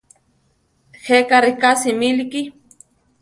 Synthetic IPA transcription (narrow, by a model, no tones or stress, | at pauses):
xekaɾikasimiliki